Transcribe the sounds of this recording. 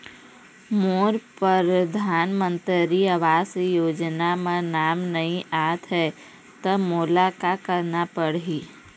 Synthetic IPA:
moːɾpəɾəd̪ʱaːnmə̃nt̪əɾiəʋaːsjoːd͡ʒnamẽnaːmnɐɦĩʔaːt̪ɦɛ | t̪əmoːlakakəɾnapəɽɦiː

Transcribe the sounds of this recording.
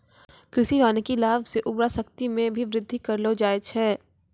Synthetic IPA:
kɾɪsiʋaːnekilaːʋseʔʊbɾasɐkt̪imẽbʱiʋɾɪd̪ʱːikɐɾlod͡ʒaːet͡ʃʰɛː

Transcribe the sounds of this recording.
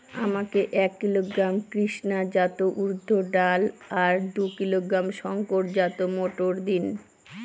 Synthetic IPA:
amakeʔɛkːiloɡɾamkɾiʃnad͡ʑat̪oʔuɾd̪ʱːoɖalaɾd̪ukiloɡɾamʃɔŋkoɾʈd͡ʑat̪omoʈoɾd̪in

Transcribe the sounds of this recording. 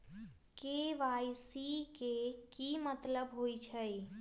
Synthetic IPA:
keʋajsikekimət̪ləbɦojt͡ʃʰəj

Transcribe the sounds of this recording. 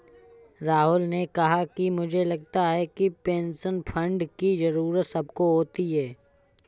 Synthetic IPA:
ɾaːɦʊlnekɐɦakimʊd͡ʒʱelɐɡ̚t̪aɦɛkipẽːnʃənpʰə̃ɳɖkizɐɾuːɾət̪sɐb̚koɦoːt̪iɦɛː

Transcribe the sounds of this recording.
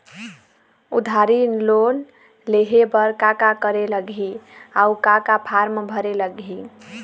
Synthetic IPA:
ud̪ʱaɾinlon | leɦebəɾkakakəɾeləɡʱiaukakapʰaɾmbʱəɾeləɡʱi

